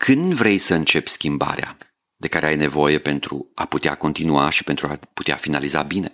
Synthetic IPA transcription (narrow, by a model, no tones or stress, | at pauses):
kʰɨnd̪vɾe̞jsəɨnt͡ʃe̞pʲskʲimba̰ɾea̰ | d̪e̞kaɾe̞ajne̞vo̞je̞pe̞nt̪ɾṵaput̪ea̰ko̞nt̪inuaʃi̥pe̞nt̪ɾuapu̥t̪ea̰finaliza̰bine̞̰